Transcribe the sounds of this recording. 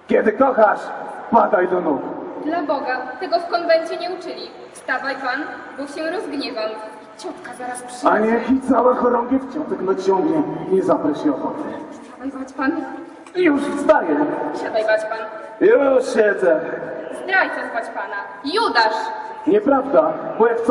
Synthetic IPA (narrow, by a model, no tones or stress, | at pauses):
kʲɛd̪ɘkɔxaʂpad̪ajd̪ɔnukd̪labɔɡat̪ɛɡɔfkɔnvɛnt͡ɕɛɲɛut͡ʂɘlʲi | st̪avajpanbukɕɛɾɔzɡɲɛvamit͡ɕɔt̪kazaɾaspʂaɲɛxʲit̪sawaxɔɾɔ̃ŋɡʲift͡ɕɔt̪ɛknat͡ɕɔŋɡɲɛiɲɛzapɾɛɕiɔxɔt̪ɛsavajbat͡ɕpan | ijuʂfst̪ajɛpʂad̪ajbat͡ɕpan | jɔɕɛd̪zɛzd̪ɾajp̪abat͡ɕpana | jud̪aʂ | ɲɛpɾavd̪abɔjakt̪s